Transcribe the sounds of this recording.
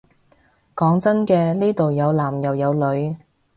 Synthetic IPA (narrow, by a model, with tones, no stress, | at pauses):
kɔː˨˥ŋt͡sɐ˥nkɛː˧liː˥t̪o˨wjɐ˨˧wlaː˨˩mjɐ˨˩wjɐ˨˧wlɵ˨˧ɥ